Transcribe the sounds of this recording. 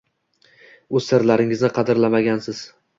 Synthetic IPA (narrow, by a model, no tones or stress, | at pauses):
ɵz̥sɪɾlaɾɪŋɪznɪqʰɑd̪ɪɾlamaɡʲansɪz̥